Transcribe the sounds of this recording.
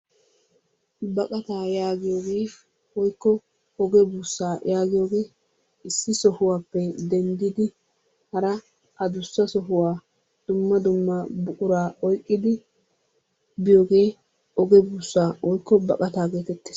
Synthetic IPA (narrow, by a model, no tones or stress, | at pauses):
bɐkʼɐt̪aːjaːɡɪjoːɡeː | wɔjkːɔ | ɔɡɛbuːsːaːjʔaːɡɪjoːɡeː | ɪsːɪsɔhʊwaːpːɛd̪ɛnd̪ɪd̪ɪ | hɐɾɐ | ʔɐd̪ʊsːɐsɔɦʊwaː | d̪̥ʊmːɐd̪ʊmːɐbʊʔʊɾaːɔjkʼːɪd̪ɪ | bɪjo̞ːɡe̞ː | ʔɔɡɛbuːsːaːwɔjkːɔbɐkʼɐt̪aːɡeːt̪ɛt̪ːe̥s